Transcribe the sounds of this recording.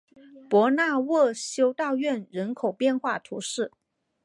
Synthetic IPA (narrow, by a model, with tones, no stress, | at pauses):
pwɔ˧˥na˥˧wɔ˥˩ɕjo˥ʊt̪ɑ˥˧ʊɥɛ˥˩nɻə˧˥nkʰo˨˩ʊpjɛ˥˧nxwa˥˩t̪ʰu˧˥ʂɻ̩˥˩